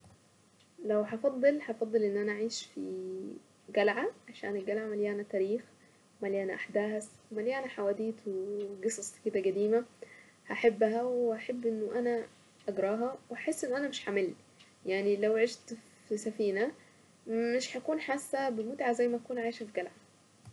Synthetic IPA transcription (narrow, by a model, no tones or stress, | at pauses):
læwhɑfɑd̪ˤːɨlhɑfɑd̪ˤːɨlʔenːʔænæʔaʕiːʃfḭ | ɡælʕaʕaʃæ̰ːnelɡælʕamæljæænæt̪æːɾiːx | wmæliʔænæʔaħd̪æːswemæljæænæħawæːd̪iːt̪weɡesˤɑsˤked̪æɡæd̪iːmæ | haħabːɦæweʔaħabːʔɪnːoʔænæ | ʔæɡɾˤɑːɦɑweaħesːʔenːoʔænæmeʃħamelː | jaʕnilæwʕeʃt̪ | fisæfiːnæ | mːeʃħakuːnħasːæbemʊt̪ʕazæjːmæʔækuːnʕaːʃfiɡælʕa